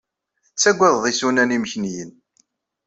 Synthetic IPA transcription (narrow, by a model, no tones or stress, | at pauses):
θət͡sːæɡʷːæððˤisunæniməçnjən